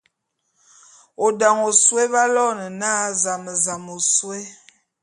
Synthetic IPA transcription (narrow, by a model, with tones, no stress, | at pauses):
o˨da˨ŋo˨swe˦βa˦lɔ˦˨nə˨na˦za˨mə˨za˨mo˨swe˦